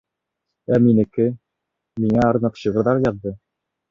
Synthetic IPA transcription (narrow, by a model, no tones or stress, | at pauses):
æminɘ̆kɘ | miŋæɑɾnɤqɕɤ̆ʁɤ̆ɾðɑɾjɑðːɤ